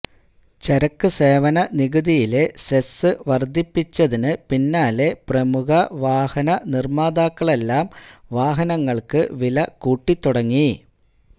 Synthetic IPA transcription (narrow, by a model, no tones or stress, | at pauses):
t͡ɕɐɾɐkːɨse̞ːʋɐnɐniɣɨðijile̞sesɨʋɐrd̪ʱipːit͡ɕːɐðinɨpinːaːle̞prɐmukɐʋaːhɐnɐnirmaːd̪aːkːɐɭe̞lːaːmʋaːɦɐnɐŋːɐɭkɨʋilɐkuːʈːit̪ːuɽɐŋːi